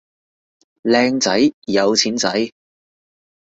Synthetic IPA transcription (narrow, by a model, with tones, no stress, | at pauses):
lɛː˧ŋt͡sɐ˨˥jjɐ˨˧wt͡sʰiː˨˥nt͡sɐ˨˥j